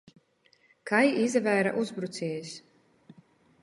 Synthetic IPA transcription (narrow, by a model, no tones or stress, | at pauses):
kajizvæːɾa̰ʔuzbɾut̪siːs